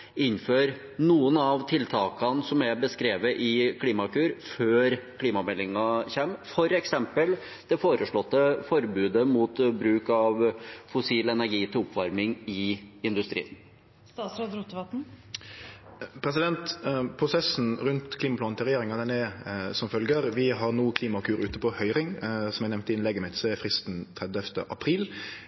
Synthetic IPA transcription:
ɪnføːɾ | nuːənɑʋt̪ʰɪlt̪ʰɑːkɑnsɔmɛbəskɾeːʋəʔɪkʰliːmɑkʰʉːɾføːɾkʰliːmɑmɛlːɪŋɑçɛmfɔɾɛksɛmpəl | d̪̥ɛfoːɾəʂɭɔt̪ːəfɔɾbʉːd̪əmut̪bɾʉːkɑʋfʊsiːlɛnæɾɡiːt̪ʰɪlɔpːʋɑɾmɪŋɪɪnd̪ʉst̪ɾḭːən | st̪ɑːt̪sɾoːd̪ɾuːt̪ːʋɑt̪n̩ | pʰɾɛsɪd̪ɛnt̪pʰɾʊsɛsn̩ʁʉnt̪kʰliːmɑplɑːnt̪ɪlɾɛjeːɾɪŋɑd̪ɛnɛsɔmfœlɡəʁʋɪɦɑʁnuːkʰliːmɑkʰʉːɾʉːt̪əpɔhœʏʁɪŋsɔmæɪnɛʋnt̪ɪnleːɡəmeːt̪sɔɛfɾɪst̪n̩t̪ʰɾɛd̪œft̪əʔɑpʰɾiːl

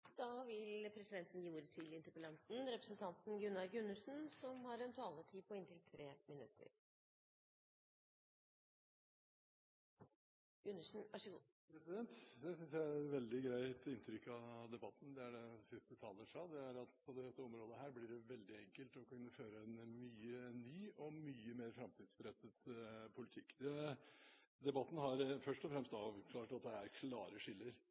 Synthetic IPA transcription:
d̪̥ɑʋɪlpʰɾɛsɪd̪ɛnt̪ənjuːɾət̪ʰɪlɪnt̪əɾpəlɑnt̪n̩ɾɛpɾəsnt̪ʰɑnt̪n̩ɡʉnːɑɾɡʉnːəʂn̩sɔmhɑɾɛnt̪ʰɑːləʈ̪ʰiːpʰɔɪnt̪ʰɪlt̪ʰɾeːmɪnʉ̰t̪ʰːə̰ɾ | ɡ̥ʉnːəʂn̩ʔɑʂəɡṵː | pɾɛsɪd̪ɛnt̪d̪ɛsʏnsjæɪæʋɛld̪ɪɡɾæɪt̪ɪnt̪ʰɾʏkːɑd̪ɛbɑt̪ːn̩d̪ɛæɖɛsɪst̪ət̪ʰɑːləʂɑːd̪ɛæɾɑt̪ɔd̪ɛt̪ːəɔmɾoːd̪əɦæːɾblɪɖɛʋɛld̪ɪɛŋkəlt̪ɔkʰʉnːəføːɾəɛnmyːənːyːʔɔmyːəmeːɾfɾɑmt̪ʰiːd̪sbəɾɛt̪ːət̪pʰʊlɪt̪ʰɪkːd̪ɛ | d̪ɛbɑt̪ːn̩ɦɑɾfœʂʈɔfɾɛmst̪ɑːʋkʰlɑːʈɑt̪̚d̪ɛæɾkʰlɑːɾəʂɪlːəɾ

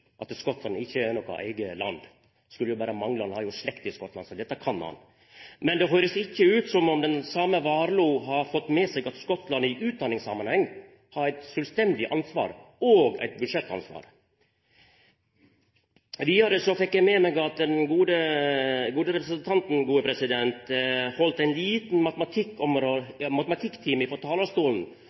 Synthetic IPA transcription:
ʔɑt̪skɔt̪lɑnɪçːəænɔkːɑ̰ʔæ̰ɪɡəlɑ̰nd̪ | skʉlːəjʊbæːɾəmɑŋlɑnhɑːjʊʂlɛkt̪ɪskɔt̪lɑnsɔd̪ɛt̪ːəkʰɑnhɑ̰n | mɛnd̪ɛɦøːɾəsɪçːəʉːt̪sɔmɔmd̪ɛnsɑməʋɑːɾluːɦɑɾfɔt̪ːmɛsɛɡɑt̪skɔt̪lɑnɪʔʉːt̪̚d̪ɑnɪŋsɑmɑnhɛŋː | hɑɾæɪt̪sœlst̪ɛnd̪ɪʔɑnsʋɑ̰ːɾoːɡæ̰ɪt̪̚bʉd̪ʂɛt̪ːɑ̰nsʋɑ̰ːɾ | ʋiːɑɾəsɔfɛkːjæɪmɛmɛɡɑt̪̚d̪ɛnɡuːd̪ə | ɡuːd̪əɾɛpɾəsənt̪ʰɑnt̪n̩ɡuːəpʰɾɛsɪd̪ɛnt̪hɔlt̪æɪnliːt̪n̩mɑt̪əmɑt̪ʰɪkːɔmɾoːmɑt̪əmɑt̪ʰɪkt̪ʰiːmɪfɔɾt̪ʰɑːləst̪uːln̩

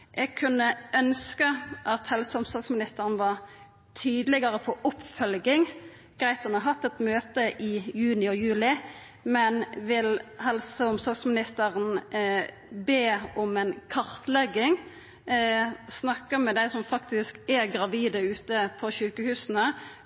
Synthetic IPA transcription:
ʔɛɡ̚kʰʉnːəœnskəʔɑt̪hɛlsəʊmsɔɾɡsmɪnɪst̪əɾn̩ʋɑɾ | t̪ʰyːd̪lɛɡəɾəpʰɔʔʊpfœlɡɪŋ | ɡ̥ɾæɪt̪ənəɦɑt̪ːɛt̪møːt̪əʔɪjʉːnɪɔjʉːlɪ | mɛnʋɪlhɛlsəʊmsɔɾɡsmɪnɪst̪əɾən | beːɔmɛnkʰɑʁt̪lɛɡːɪŋ | snɑkːəmɛd̪æɪsɔmfɑkt̪ɪskæɡɾɑʋiːd̪əʉːt̪əpʰɔɕʉːkəhʉːsənə

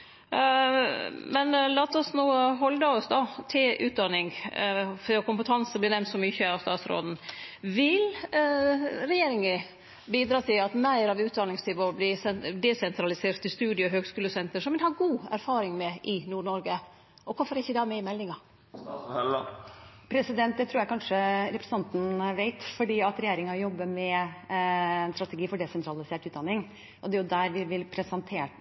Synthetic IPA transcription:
mɛnlɑːt̪ɔsnuːɦɔld̪əɔsd̪ɑt̪ʰɪlʔʉ̰ːt̪̚d̪ɑnɪŋ | fɔkʊmpət̪ʰɑnsəblɪɾnɛmnsɔmʏçəɑst̪ɑːt̪sɾo̰ːd̪n̩ʋɪl | ɾɛjeːɾɪŋə | biːd̪ɾɑːt̪ʰɪlɑt̪mæɪɾɑʋʉːt̪̚d̪ɑnɪŋst̪ʰɪʋɔbliːsɛd̪ɛsɛnt̪ɾɑlɪseːɾt̪ʰːɪst̪ʉːd̪jəɔɦøːɡskʉːləsɛnt̪əɾʂɔmʋɪnhɑːɡuːæ̰ɾfɑːɾɪŋmɛʔɪnuːɳɔɾɡə | ʔɔkʰʊfɔɾɪçːəd̪ɛæmɛɪmɛlːɪŋɑ | pʰɾɛsɪd̪ɛnt̪̚d̪ɛt̪ʰɾuːɾjæɪkʰɑnʂəɾɛpɾəsn̩ʰɑnt̪n̩ʋeɪt̪fɔɖiːɑt̪ɾɛjeːɾɪŋɑjɔbːəmɛ | ɛnst̪ɾɑt̪ɛɡiːfɔɖɛsɛnt̪ʰɾɑlɪseːʈʉːd̪ɑnːɪŋ | ʔɔd̪ɛjʊd̪æɾʋɪʋɪlpʰɾɛsɛnt̪ʰeːʈ

